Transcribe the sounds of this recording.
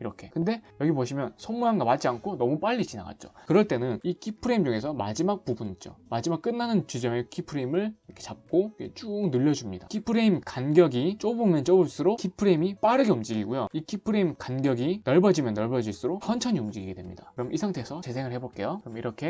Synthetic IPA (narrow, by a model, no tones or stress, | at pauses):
iɾʌkʰe̞kɯnde̞jʌɡipoɕʰimjʌnsʰʌnmujaŋɡamat͡ɕ͈iankʰonʌmup͈aʎːit͡ɕina̰ɡa̰t̚t͡ɕ͈o̥̰kɯɾʌɭt͈e̞nɯnikʰipʰɯɾeimd͡ʑuŋe̞sʰʌma̰d͡ʑimak̚pubunid͡ʑo̰mad͡ʑimak͈ɯnːanɯnt͡ɕid͡ʑʌŋekʰipʰɯɾeimɯɭʌkʰet͡ɕap̚k͈okḛt͡ɕ͈uknɯʎːʌd͡ʑumɲidakʰipʰɯɾeimkanɡjʌɡit͡ɕ͈obumɯnt͡ɕ͈ʌbuɭs͈ɯɾokʰipʰɯɾeimip͈aɾɯɡeumd͡ʑiɡiɡujoikʰipʰɯɾe̞imkanɡjʌɡinʌɭbʌd͡ʑimjʌnːʌɭbʌd͡ʑiɭs͈ɯɾohʰʌnt͡ɕʰʌɲiumd͡ʑiɡiɡe̞dwe̞mɲḭd̥akɯɾʌmʔisʰaŋtʰesʰʌt͡ɕe̞s̬ʰe̞ŋɯɭhe̞boɭk͈e̞jokɯɾʌmiɾʌkʰe̞